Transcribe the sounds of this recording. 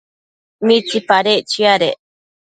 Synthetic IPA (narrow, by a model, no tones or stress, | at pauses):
mitipaɾet͡ʃiaɾe